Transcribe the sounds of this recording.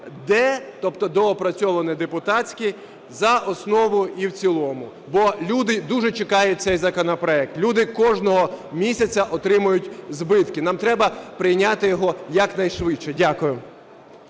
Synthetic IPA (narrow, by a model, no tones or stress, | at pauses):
d̪ɛt̪ɔpt̪ɔd̪ɔːpɾɐt͡sʲɔʋɐnɪd̪epʊt̪ɑt͡sʲkʲi | zɐʔɔsnɔʋʊiwt͡sʲilˠɔmʊ | bɔlʲud̪ɪd̪uʒɛt͡ʃɪkɑjʊt̚ʲt̪sɛjzɐkɔnɐpɾɔɛk̚t̪lʲud̪ɪkɔʒnɔɦɔmʲisʲɐt͡sʲɐʔɔt̪ɾɪmʊjʊtʲzbɪt̪kɪnɑmt̪ɾɛbɐpɾɪjnʲat̪ɪjɔɦɔjɐknɐjʃʋɪt͡ʃːɛdʲakʊjʊ